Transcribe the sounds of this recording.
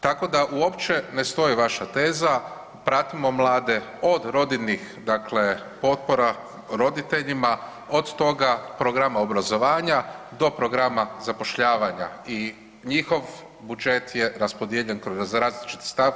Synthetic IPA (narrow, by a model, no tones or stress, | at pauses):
t̪ako̞d̪aʔuo̞pt͡ʃe̞nest̪o̞iʋaʃat̪e̞ːza | pɾat̪imo̞mlˠaːd̪e̞o̞d̪ɾo̞d̪inixd̪akle̞ | po̞t̪̚po̞ɾa | ɾo̞d̪it̪e̞ʎima | od̪t̪o̞ɡapɾoɡɾamaobɾazo̞ʋaːɲad̪o̞pɾo̞ɡɾamazapo̞ʃʎaːʋaɲa̰i | ɲixo̞ʋ | bud͡ʒet̪je̞ɾaspo̞d̪jeʎe̞nkɾozɾaːzlit͡ʃi̥t̪i̥st̪aʋ